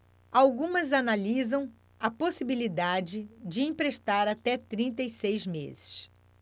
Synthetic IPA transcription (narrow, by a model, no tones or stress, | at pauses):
awɡũmɐzanalizɐ̃w̃ | ɐposibilid̪ad͡ʒɪd͡ʒɪĩpɾeʃt̪aɾat̪ɛt̪ɾĩnt̪̬ɐisejzmḛzɪ̥s